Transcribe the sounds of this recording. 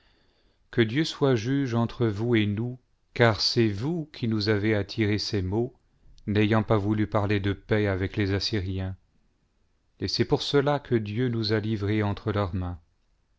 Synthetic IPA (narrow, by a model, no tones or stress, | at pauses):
kəd̪jøswaʒyʒɑ̃t̪χəvuenu | kaʁsɛvukʰʲinuzaveat̪ʰiʁesemo | nɛjɑ̃pavulypaʁled̪əpɛavɛklezasiʁjɛ̃ | esɛpuʁsəlakʰəd̪jønuzalivʁeɑ̃t̪χəlœʁmɛ̃